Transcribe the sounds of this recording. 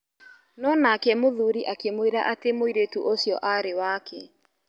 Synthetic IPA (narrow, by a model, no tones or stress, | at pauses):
nɔnakɛmoðuɾiʔakemoiɾa̰ʔatemoiɾetuʔosjɔʔaɾewakʰɛ